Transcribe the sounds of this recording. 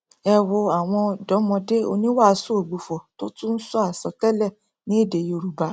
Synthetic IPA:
ɛ˧wo˧a˨w̃ɔ̃˧dɔ˨˦mɔ̃˧de˦o̰˧nĩ˦wa˦˨˧so˦o˨ɡ͡bu˨fɔ˨to˦tũ˦n̩˦sɔ˦a˦˨sɔ˨˦tɛ˦lɛ˦˨ | nĩ˨˦e˦˨de˨jo˧ɾu˨ba˧˦

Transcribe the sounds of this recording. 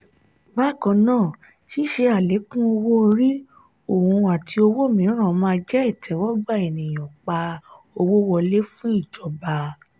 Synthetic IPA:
ba˦˨kɔ̃˧nãː˦˨ | ʃi˦ʃe˧a˨le˨˦kũ˦o˧wo˦˧ɾi˦ | o˦˨hũ˧a˨ti˧o˧wo˦˨mĩ˨˦ɾ̃ã˦˨˧mãː˧d͡ʒɛ˦ɛ˦˨tʰɛ˨˦wɔ˦ɡ͡ba˦˨e˨nĩ˨j̃ɔ̃˨k͡pa˧ | o˧wo˦wɔ˧le˦fũ˦i˦˨d͡ʒɔ˨˦ba˧

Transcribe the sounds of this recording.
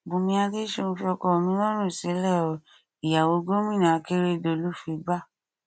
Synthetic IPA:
bũ˨mĩ˧a˧de˦ʃo˦˧ñ̩˧fi˧ɔ˧kɔ˦˨mĩ˧˦lɔ˦ɾ̃ũ˦˨sĩ˨˦lɛ˦˨ɔ˨ | i˨ja˨wo˧˦ɡo˦mĩ˦˨nã˨˦ke˦ɾe˦˨do˧˨lu˦˨fi˧˦ɡ͡ba˦˨

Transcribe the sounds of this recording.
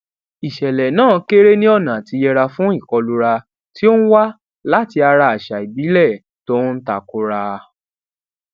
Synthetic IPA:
i˨ʃɛ˨lɛ˨nãː˦˨ke˦ɾe˦nĩ˦ɔ˦˨nã˨ti˧jɛ˧ɾa˧fũ˦i˦˨kɔ˧lu˧ɾa˧ | ti˦o˦n̩˦wa˦ | la˦ti˧a˧ɾa˧a˨ʃa˨i˨bi˨˦lɛ˦˨ | to˦n̩˦ta˨ku˧ɾa˧

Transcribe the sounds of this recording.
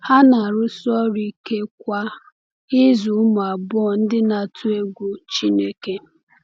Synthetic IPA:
ha˦na˨ɾʊ˦sɔ˦ɾi˦ke˦kʷa˦ | ɪ˦zu˨˦mʊ˨a˨bɔ˨n̩˦dɪ˦na˨tʰu˦e˦ɡʷu˦t͡ʃi˦ne˦ke˦

